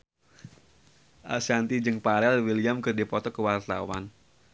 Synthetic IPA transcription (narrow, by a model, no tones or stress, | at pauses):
ʔa̰lsant̪id͡ʒɨŋpaɾɛlwilijamkɨrdipɔt̪ɔkəwart̪a̰wan